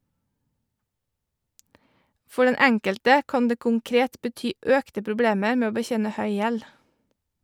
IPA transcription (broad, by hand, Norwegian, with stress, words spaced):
ˈfɔ ˈɖɛn ˈɛŋkəltə ˈkɑːn ˈdeː kʊŋˈkɾeːt bəˈtyː ˈœktə pɾʊˈbleːməɾ ˈmeː ˈoː bəˈçeːnə ˈhœʏ ˈjɛl